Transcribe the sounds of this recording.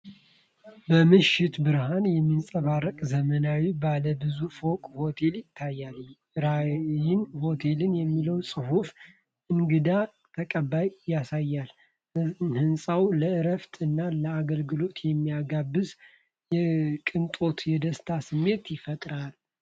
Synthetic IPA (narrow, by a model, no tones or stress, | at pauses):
bəmɨʃːɪt̪bɨɾhanjɛmːinsʼəβarːəkʼzəmənawibaləbɨzufo̞kʼho̞t̪ʰe̞ljɪt̪ʰːajːal | ɾajɪnho̞t̪ʰe̞lɨnjɛmːiləwsʼɨhuf | ʔɨŋɡɨd̪a | t̪ʰəkʼəbːajjːasajːal | hɨnsʼawləɨɾəft̪ʰʼɨnːaləaɡəlɡɨlo̞t̪jɛmːijaɡabːɨz | jɛkʼɨnt̪ʼo̞t̪jɛd̪əst̪ʰasɨmːe̞t̪jɪfət̪ʼɾal